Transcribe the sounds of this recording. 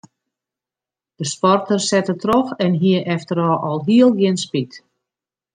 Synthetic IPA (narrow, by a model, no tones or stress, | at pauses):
d̥əspɔrtərsɛtətrɔxɛnɦiəʔɛftəɾɔːʔɔlˠɦiəlˠɡjɪnspit